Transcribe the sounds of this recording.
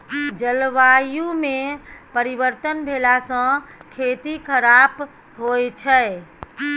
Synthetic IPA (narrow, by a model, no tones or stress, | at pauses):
d͡ʒəlʋajũmẽpəɾiʋəɾt̪ənbʱeːlasə̃kʰeːt̪ikʰəɾab | ɦojt͡ʃʰɛ